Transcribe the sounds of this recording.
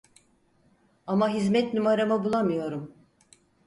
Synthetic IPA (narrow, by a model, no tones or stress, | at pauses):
amaɦizmɛt̪numaɾamabulˠamɯjo̞ɾum